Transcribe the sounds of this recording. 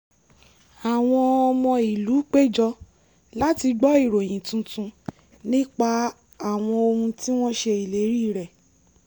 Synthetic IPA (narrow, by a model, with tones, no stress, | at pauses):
a˨w̃ɔ̃˧ɔ˧mɔ̃˧i˨lu˨˦k͡pe˦˨d͡ʒɔ˧ | la˦ti˧ɡ͡bɔ˦i˦˨ɾo˨j̃ĩ˨tũ˧tũ˧ | nĩ˦k͡pa˧ | a˦˨w̃ɔ̃˧o˧hũ˧ti˦w̃ɔ̃˦ʃe˧i˨le˨˦ɾi˦˨ɾɛ˨